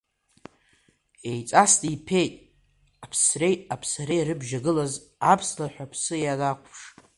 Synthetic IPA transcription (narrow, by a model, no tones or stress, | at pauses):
e̞jt͡sʼastʼipʰe̞jtʼ | apʰsre̞japʰsaɾejɾɨbʒaɡɨlaz | apʰslaħʷᶣapʰsɨjalakʷʰpʰʂ